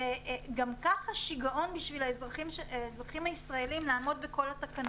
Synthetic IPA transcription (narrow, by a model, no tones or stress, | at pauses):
eɡamkaχaʃiɡaʔo̞nbiʃvilazʁaimaezʁaχimhaisʁaelimlaːmo̞d̪̚beko̞lat̪akan